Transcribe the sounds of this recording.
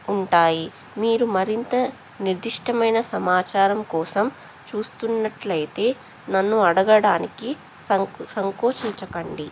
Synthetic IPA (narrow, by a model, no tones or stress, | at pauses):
uɳʈaːji | miːɾumɐɾint̪ɐ | niɾd̪iʂʈɐmɐjnɐsɐmaːt͡ʃaːɾɐmkɔːsɐm | t͡ʃuːst̪unːɐʈlɐjt̪e̞ː | nɐnːuɐɽɐɡɐɽaːniki | sɐsɐŋkoːʂiɲt͡ʃɐkɐɳɖi